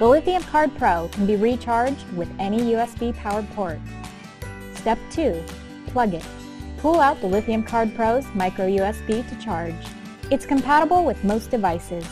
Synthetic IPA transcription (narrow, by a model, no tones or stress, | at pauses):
b̥əlɪθiɨ̃mkʰɑɹd̚pʰɹ̥oʊkʰn̩biɹit͡ʃʰɑɹd͡ʒd̚wɨðɛñijʉɛsb̥ipʰaʊə˞d̚pʰɔɹt̚ | stɛp̚tʰʉ | pʰl̥ʌɡɪt̚ | pʰulˠaʊt̪̚bðəlɪθiɨ̃mkʰɑɹd̚pʰɹ̥oʊzmaɪkɹoʊjʉɛsb̥iɾɨt͡ʃʰɑɹd͡ʒ | ɨtskɨ̃mpʰæɾəbl̩ˠwɨðmoʊsd̥ɨvaɪsɪz̥